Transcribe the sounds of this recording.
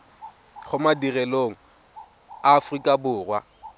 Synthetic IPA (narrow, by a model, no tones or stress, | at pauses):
χʊmadirɛloŋ̩ | aːfrikʼabʊːrwa̰